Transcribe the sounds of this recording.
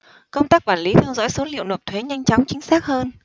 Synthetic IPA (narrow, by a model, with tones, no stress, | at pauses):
kə˧wŋ͡mt̪aː˦˥k̚ɓaː˧˩nli˨˦t̪ʰɛ˧wzɔ̰˧˥jso˨˦nlḭ˧˨wno˨˩p̚t̪ʰwe˨˦ɲa˧jŋ̟t͡ɕɔ˨˦wŋ͡mt͡ɕï˨˦ŋ̟saː˦˥k̚həː˧n